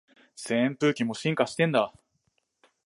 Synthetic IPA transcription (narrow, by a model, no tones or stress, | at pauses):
sẽmpɯ̟ːkʲimo̞ɕĩŋkaɕi̥t̪ẽ̞nd̪a